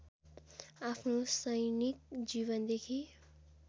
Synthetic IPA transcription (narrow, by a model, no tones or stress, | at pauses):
apʰnosʌjnik̚d͡ziβʌnd̪ekʰi